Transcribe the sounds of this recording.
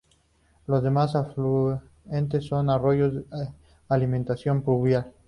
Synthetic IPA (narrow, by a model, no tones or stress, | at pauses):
lozðemasaflu | ent̪esːo̞naro̞jʝo | alimẽnt̪asjo̞mpluβjal